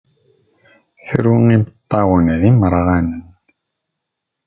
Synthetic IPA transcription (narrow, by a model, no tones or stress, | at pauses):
çɾuŋimət̪ˤːɑwənðiməɾˤʁænən